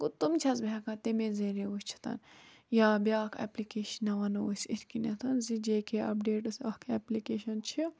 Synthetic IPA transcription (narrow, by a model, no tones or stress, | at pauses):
kut̪umt͡ʃʰɐzbʱɛkãt̪emezeɾeusʲt͡ʃʰi̥t̪ɐ̰n | jaːbʲjaːkʰɐ̰plikeːʃinɐʋɐnɐusʲit̪ʰʲkinɐt̪ʰɐnzid͡ʒeːkeɐ̰pɖeːʈɐsɐkʰɛplikeːʃɐnt͡ʃʰi